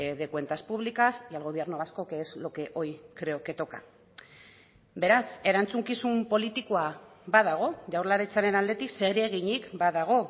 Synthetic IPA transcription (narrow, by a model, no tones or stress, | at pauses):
eðe̞kwe̞nt̪aspuβlikasialɣoβieɾnoβasko̞keːzlo̞ke̞ʔo̞jkɾe̞oke̞t̪o̞ka̰ | be̞ɾase̞ɾant͡suŋkisumpo̞lit̪ikoabaðaɣ̞o̞ʝawrlaɾet͡saɾe̞nald̪e̞t̪ikse̞ɣɾieɣ̞iɲikbaðaɣ̞o̞